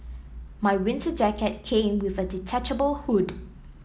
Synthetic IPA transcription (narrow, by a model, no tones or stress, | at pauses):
maɪwɪ̃ntʰəd͡ʒɛkət̚kʰẽːmwɪðəditʰɛt͡ʃəbəlˠhud